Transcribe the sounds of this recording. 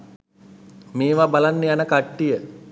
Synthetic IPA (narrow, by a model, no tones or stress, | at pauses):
meːʋabalanːejanəkaʈːijə